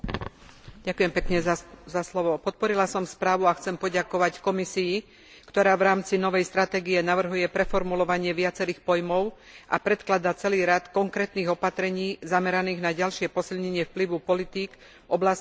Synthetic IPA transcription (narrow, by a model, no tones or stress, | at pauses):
ɟakujɛmpɛkɲɛzaslɔʋɔpɔt̪̚pɔɾilasɔmspɾaːʋuaxt͡sɛmpɔɟakɔʋackɔmisiji | kt̪ɔɾaːʋɾaːmt͡sinɔʋɛjst̪ɾat̪ɛːɡijɛnaʋr̩ɦujɛpɾɛfɔɾmulɔʋaɲɪɛʋɪat͡sɛɾiːxpɔjmɔʊ | ʔa̰pɾɛt̪klad̪at͡sɛliːɾat̪kɔŋkɾɛːt̪niːɣɔpat̪ɾɛɲiːzamɛɾaniːɣnaɟalʃɪɛpɔsilɲɛɲɪɛfpliʋupɔlit̪iːk | ʔɔblas